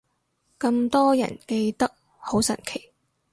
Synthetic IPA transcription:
kɐ˧mt̪ɔː˥jɐ̰˨˩nke˧jt̪ɐ˥k̚ | ho˨˥wsɐ̰˨˩nkʰe˨˩j

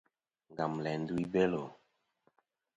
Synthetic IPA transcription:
ŋɡa˨mlɛ˨n˦du˦i˦be˦lo˨

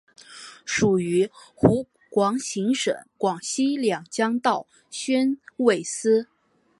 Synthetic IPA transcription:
ʂu˨˩y˧˥xu˧˥ | kwɑ˧˥ŋɕi˧˥ŋʂə̰˨˩˦ŋkwɑ˨˩ŋɕi˥ljɑ˨˩ŋt͡ɕjɑ˥ŋt̪ɑ˥˩ʊ | ɕɥɛ˥nwe˥˩ɪsɹ̩˥

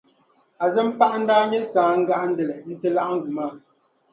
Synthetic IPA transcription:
a˨zɛ˦m˦pa˦ʔn̩˦daː˦ɲɛ˦saː˨˦ŋ̩˦ɡa˦ʔn̩˦dɛ˨lɛ˨n̩˦tɨ˦la˦ʔŋ̩˦ɡu˨ma˦

